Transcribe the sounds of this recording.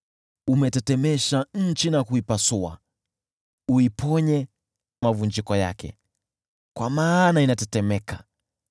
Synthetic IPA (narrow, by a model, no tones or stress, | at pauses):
umɛtɛtɛmɛʃaɲ̩t͡ʃinakuipasua̰ | uipʰɔɲɛ | mavund͡ʒikɔja̰kɛ̰ | kwamaːnainatɛtɛmɛka